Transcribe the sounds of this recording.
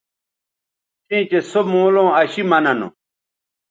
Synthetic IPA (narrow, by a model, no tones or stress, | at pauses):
tʰĩːt͡ɕesomõːlõːɐɕimɐnɐnṵ